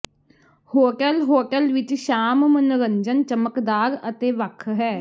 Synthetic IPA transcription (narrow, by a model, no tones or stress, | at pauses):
hoːʈəlɦoːʈəlʋɪt͡ʃʃaːmmənɾəɲd͡ʒənt͡ʃəməkd̪aːɾət̪eːʋəkʰɦɛː